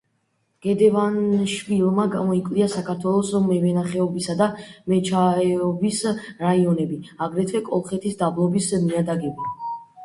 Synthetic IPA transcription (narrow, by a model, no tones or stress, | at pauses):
ɡ̥ɛd̪ɛvanʃvilˠmaɡamɔikʼvliasakʰaɾt̪ʰwɛlˠɔsmɛvɛnaχɛɔbisad̪amɛt͡ʃʰaɛɔbisɾaiɔnɛbiaɡɾɛt̪ʰwɛkʼɔlˠχɛt̪ʰisd̪ablˠɔbismiad̪aɡɛbi